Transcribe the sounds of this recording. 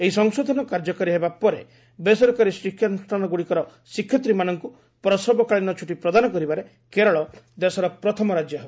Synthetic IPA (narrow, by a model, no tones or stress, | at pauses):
eɦisɔŋsod̪ʱɔnɔkaɾd͡ʒɔkaɾiɦebapɔɾe | besɔɾɔkaɾisikʰːjɔnʈanɔɡuɽikɔɾɔ | sikʰjɔt̪ɾimanɔŋku | pɾɔsɔbɔkaɭinɔt͡ʃʰuʈipɾɔd̪anɔkɔɾibaɾe | keɾɔɭɔd̪esɔɾɔpɾɔt̪ʰɔmɔɾad͡ʒjɔɦeb